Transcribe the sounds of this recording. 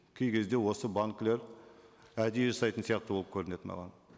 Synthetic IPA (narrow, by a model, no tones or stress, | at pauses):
kʲʰe̞jkʲʰe̞zd̪e̞wo̞səbaŋkle̞ɾ | æd̪ejeʒɑsɑjt̪ənsijɑq̚t̪əbwolˠəpkʲʰɵɾɪne̞t̪mɑ̰ʁɑ̰n